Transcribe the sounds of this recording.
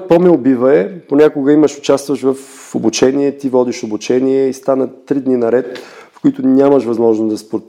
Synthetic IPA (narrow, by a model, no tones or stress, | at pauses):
pɔmɛʊbivəɛponʲakʊɡəiməʃʊt͡ʃast̪vəʃvɐf | obut͡ʃɛniɛt̪ivɔd̪iʃobut͡ʃɛniɛist̪anət̪ːɾid̪ninɐɾɛt̪fkʊit̪ʊnʲaməʃvɐzmɔʒnʊzd̪ɐspoɾt̪